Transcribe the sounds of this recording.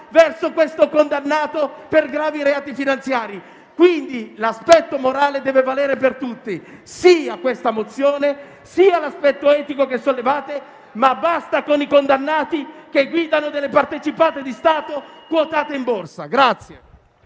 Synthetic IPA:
vɛrsokwest̪okond̪anːaːt̪operɡɾaːviɾeaːt̪ifinant̪sjaːɾi | kwind̪ilaspɛt̪ːomoɾaːled̪ɛːvevalɛːɾepert̪ut̪ːisiːakːwest̪amot̪sjoːne | siːalaspɛt̪ːoɛːt̪ikokesːolːevaːt̪e | mabːast̪akonikond̪anːaːt̪ikeɡwiːd̪anod̪elːepart̪et͡ʃipaːt̪ed̪ist̪aːt̪okwɔt̪aːt̪eimborsaɡɾat̪sːje

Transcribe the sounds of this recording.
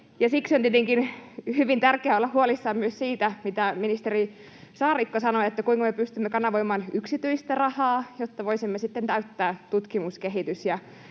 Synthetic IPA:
jɑsiksiont̪iet̪eŋkinhyʋint̪ærkeæolːɑhhuolisːɑːmmyøssiːt̪æmit̪æminist̪eri | sɑːrikːosɑnoet̪ːækuiŋkɑmepyst̪ymːekɑnɑʋoimɑːnyksit̪yist̪ærɑhɑːjot̪ːɑʋoisimːesit̪ːent̪æyt̪ːæːt̪ut̪kimuskeɦit̪ysjɑ

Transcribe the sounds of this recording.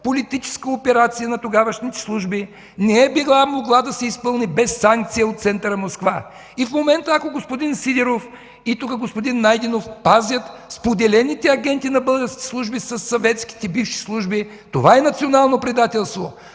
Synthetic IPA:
polit̪it͡ʃɛ̥skəopɛɾat̪sijənɐt̪oɡavɐʃnit̪ɛ̥slˠuʒbi | nɛɛbiɡlˠamoɡlˠad̪ɐsɛispɤlˠnibɛsːaŋk̚t̪sijəot̪t̪sɛnt̪əɾəmoskva | ifmomɛnt̪əɐkoɡospod̪insid̪ɛɾof | it̪ukəɡospod̪inːajd̪inofpazʲjət̪spod̪ɛlɛnit̪ɛɐɡɛnt̪inɐbɤlˠɡəɾskʲɛ̥slˠuʒbisɐsːɐvɛt̪sk̟i̥t̪ɛbifʃi̥slˠuʒbi | t̪ovaɛnɐt̪sionalˠnopɾid̪at̪ɛlˠst̪vo

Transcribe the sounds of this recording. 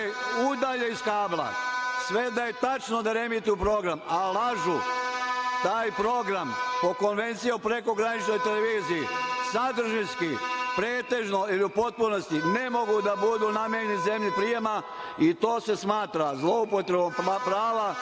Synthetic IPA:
ud̪aʎe̞iskaːblˠa̰sʋe̞d̪aje̞t̪at͡ʃno̞d̪aɾe̞mit̪iupɾo̞ɡɾamalˠaʒu | t̪aːjpɾo̞ɡɾampo̞ko̞nʋe̞nt̪sijaupɾe̞ko̞ɡɾanit͡ʃno̞jt̪eleʋiːzijːsad̪r̩ʒinskipɾeːt̪e̞ʒnoiliupo̞t̪̚puno̞st̪ine̞mo̞ɡud̪abud̪uːnamjejenize̞mʎipɾije̞ma | it̪o̞ːse̞smaːt̪ɾazlˠo̞upo̞t̪ɾebomppɾaːʋa

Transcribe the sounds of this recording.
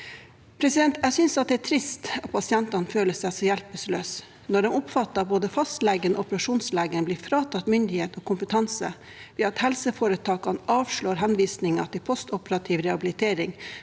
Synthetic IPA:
pʰɾɛsɪd̪ɛnt̪æsʏnsɑt̪̚d̪ɛæt̪ʰɾɪst̪ɑt̪̚pʰɑsɪɛnt̪ɑnføːləsæsɔjælpəsløːs | nɔɖɛmɔpfɑt̪ːɑɑboːd̪əfɑst̪lɛɡənɔɔpəɾɑʂuːnslɛɡənblɪfɾɑːt̪ʰɑt̪mʏnd̪ɪheːt̪ɔːkʰʊmpət̪ʰɑnsə̰ | ʋɪɑt̪hɛlsəfoːɾət̪ʰɑːkɑnɑːʋʂɭoːɾɦɛnʋiːsnɪŋɑ̰t̪ɪlpʰɔst̪ɔpəɾɑt̪ʰiːʋɾɛɑbɪlɪt̪ʰeːɾɪŋ

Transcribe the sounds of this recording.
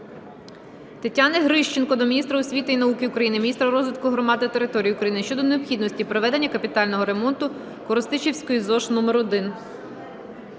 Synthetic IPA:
t̪etʲːɑneɦɾɪʃt͡ʃenkɔd̪ɔmʲinʲist̪ɾɐʊsʲʋʲit̪ɪinɐukɪʊkɾɐjinɪmʲinʲist̪ɾɐɾɔzʋɪt̪kʊɦɾɔmɑd̪ɪt̪eɾɪt̪ɔɾʲijiʊkɾɐjinɪʃt͡ʃɔd̪ɔneɔpxʲid̪nɔsʲtʲipɾɔʋɛd̪enʲːɐkɐpʲit̪ɑlʲnɔɦɔɾe̞mɔnt̪ʊ | kɔɾɔst̪ɪt͡ʃiwsʲkɔjizɔʃnɔmeɾɔd̪ɪn

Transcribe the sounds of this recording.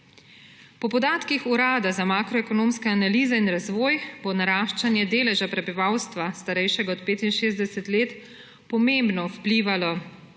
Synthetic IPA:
pɔpɔd̪aːt̪kixuɾaːd̪azamaːkɾɔɛkɔnõːmskɛanaliːzɛinɾazʋɔːjbonaɾaːʃt͡ʃanjɛd̪eːlɛʒapɾɛbiʋawst̪ʋast̪aɾɛjʃɛɡaɔt̪peːt̪inʃeːzd̪ɛsɛt̪leːt̪ | pɔmembnɔpliːʋalɔ

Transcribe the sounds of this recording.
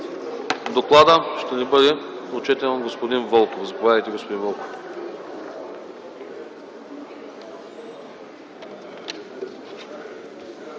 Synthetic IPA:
d̪oklˠad̪əʃt̪ɛnibɤd̪ɛot͡ʃɛt̪ɛnoɡospod̪invɔlˠkofzɐpovʲaðəjt̪ɛɡospod̪invɔlˠkof

